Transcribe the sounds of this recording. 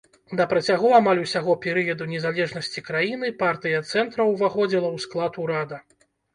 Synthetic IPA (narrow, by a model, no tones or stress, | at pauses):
d̪ɐpɾɐt͡sʲaɣɔamalʲuwsʲaɣɔpʲɛɾɨjɐd̪unʲɛzalʲɛʐnɐsʲt͡sʲikɾajinɨpart̪ɨjɐt̪sɛnt̪ɾɐwvaxɔd͡zʲilˠɐwsklˠat̪uɾad̪ɐ